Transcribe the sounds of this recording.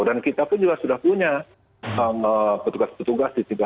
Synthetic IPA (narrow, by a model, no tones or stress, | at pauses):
dankit̪apʊnd͡ʒuɡasudahpuɲa | əməpət̪uɡaspət̪uɡasdit̪iɡa